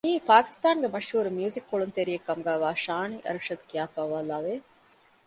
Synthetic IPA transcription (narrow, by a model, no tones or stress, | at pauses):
niːpaːki̥st̪aːŋɡemɐʃhuːɾumjuːzikːoɭunt̪eɾijekːɐmuɡaːʋaːʃaːniʔɐ̰ɾʂɐd̪kiaːfaːʋaːlaːʋe